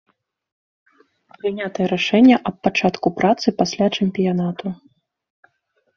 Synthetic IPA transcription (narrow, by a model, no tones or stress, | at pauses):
pɾɨnʲat̪ɐjɛɾaʂɛnʲːɐʔɐppːat͡ʂat̪kupɾat̪sɨpasʲlʲat͡ʂɛmʲpʲijanat̪u